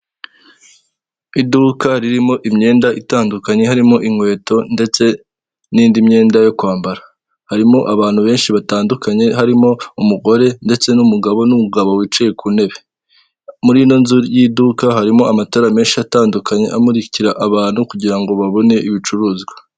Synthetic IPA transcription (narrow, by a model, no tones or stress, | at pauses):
idukaɾiɾimo̞ʔimɲe̞ːndaʔitaːndukaɲe̞ɦaɾimo̞ʔiŋwe̞ːto̞nde̞t͡se̞ | niːndimɲe̞ːndajokwaːmbaɾa | haɾimo̞ʔaβaːn̥huβe̞ːnʃiβataːndukaɲe̞ɦaɾimo̞umuɡo̞ɾe̞nde̞t͡se̞numuɡaβo̞numuɡaβo̞wit͡ʃejekʰune̞βe | muɾino̞nzujiduːkaɦaɾimo̞amatoɾame̞ːnʃiataːndukaɲe̞̰ʔamuɾiciɾaʔaβaːn̥hukuɟiɾaŋɡo̞βaβo̞ne̞ʔiβit͡ʃuɾuːzɡwḁ